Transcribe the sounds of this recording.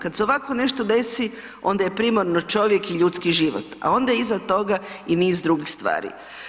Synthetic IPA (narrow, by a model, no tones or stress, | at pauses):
kad̪seoʋakone̞ʃt̪od̪e̞si | o̞nd̪ajepɾimoɾnot͡ʃo̞ʋje̞kiʎuːt̪skiʒiʋo̰t̪a̰o̞nd̪ajizat̪o̞ɡainiːzd̪ɾuɡixst̪ʋa̰ːɾḭ